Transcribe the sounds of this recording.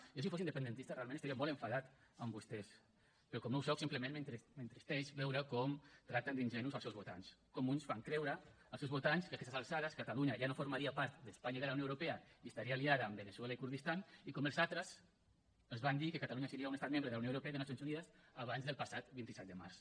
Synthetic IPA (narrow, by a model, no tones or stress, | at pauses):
ʒosifosind̪əpənd̪ənt̪ist̪ərealmẽnəst̪aɾiamɔleɱfaðat̪əmbust̪ɛs | pɾɔkɔmnowsɔwsimpləmenment̪ɾment̪ɾist̪ɛʃβɛwɾəkɔmt̪ɾat̪and̪inʒɛnuzalˠsewzβot̪a̰nskɔmunsfaŋkɾɛwɾə | əlˠsewzβut̪anskəakɛst̪salˠsaðəskat̪aluɲaʒanofuɾmaɾiapaɾt̪d̪əspaɲaəiðəlaunjoewɾupeəiəst̪aɾialiaðəːmbəneswelaikuɾðist̪anikɔməlˠzat̪ɾəz | əzβand̪ikəkat̪aluɲasəɾiaunest̪at̪mẽmbɾəðlaunowɾupɛaiðənas̬ijonsuniðəsaβanzðəlˠpasat̪bint̪isɛt̪̚d̪əma̰ɾs